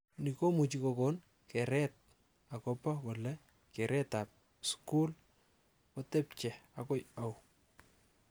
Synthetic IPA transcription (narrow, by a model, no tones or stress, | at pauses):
nikomut͡ʃikɔkɔn | kɛɾɛt̚ | akɔpɔkɔlɛ | kɛɾʔɛtap̚ | skul | kɔtɛpt͡ʃɛakɔjaw